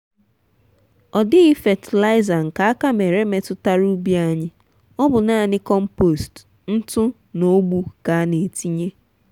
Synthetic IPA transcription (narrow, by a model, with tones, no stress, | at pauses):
ɔ˨dɪ˦ɪ˦fe˨tɪ˨la˦ɪ˦za˨ŋ̩˨ka˨a˦ka˦me˨ɾe˦me˨tʊ˦ta˦ɾu˦bi˦a˦ɲɪ˦ | ɔ˦bʊ˨na˦˨nɪ˦kɔ˦m̩˦po˨st | n̩˦tʊ˦ | no˦ɡ͡bu˦ka˨a˦ne˨ti˦ɲe˦